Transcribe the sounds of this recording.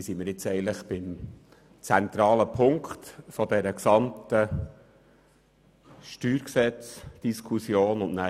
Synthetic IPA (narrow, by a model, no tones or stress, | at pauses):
siməɾɪt͡sɛɪəntləχb̥ɪm | t͡sænt̪ɾɑːləpʰʊŋkχt̪fɔd̪ɛɾəksɑmt̪ə | ʃtyːɾksɛt͡sd̥iskʰusjoːnʊnʔnæ